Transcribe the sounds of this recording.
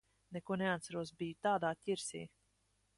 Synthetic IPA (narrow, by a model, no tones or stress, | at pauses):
nɛkuɔnɛat̪saɾuɔsbijut̪aːd̪aːcʲiɾsḭː